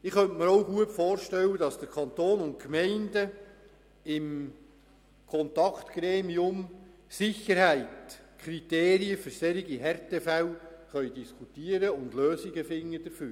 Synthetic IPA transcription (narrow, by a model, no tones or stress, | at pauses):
ɪχœntməɾowɡuətfoːɾʃtɛlwːədɑsd̥əɾkʰɑnt̪oːnʊntkmɛɪndə | ɪm | kʰɔnt̪ɑkt̪ɡ̥ɾeːmiʊmsɪχəɾhæɪtkʰɾit̪eːɾiəfʏɾsɛɾiɡiɦɛɾtefæwχœʏdiskʰutiəɾəʊndløːsiɡəfɪŋːədəɾføːɾ